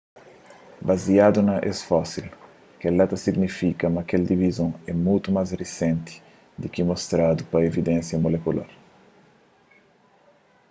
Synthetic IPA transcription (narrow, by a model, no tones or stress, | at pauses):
bazjad̪unɐʔɛ̰sfasil | kelat̪ɐsiɡnifikɐmɐkeld̪ivizõɛmult̪umazrisɛ̃nt̪i̥ | d̪ikimost̪ɾad̪upɐevid̪ɛ̃nsjɐmolekula̰ɾ